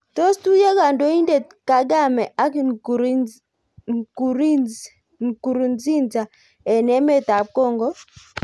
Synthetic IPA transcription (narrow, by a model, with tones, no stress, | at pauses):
to˦stu˦je˦ɡa˨ndo˦i˦nde˦˨t̚ | ka˦ɡa˦˨mɛ˨ʔa˦k | ku˨ɾi˦ | ŋku˨ɾu˨nd͡zi˦nd͡ʒa˨ | ɛ˨nɛ˦me˦ta˨p̚ko˦˨ŋɡɔ˦